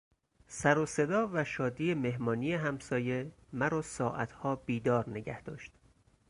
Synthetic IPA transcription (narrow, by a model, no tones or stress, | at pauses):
sæɾose̞d̪ɒːvæʃɒːd̪iːeme̞ɦmɒːniːjeɦæmsɒːje̞ | mæɾɒːsɒːʔæ̰t̪ʰhɒːb̥iːd̪ɒːɾne̞ɟæhd̪̥ɒ̰ːʃt̪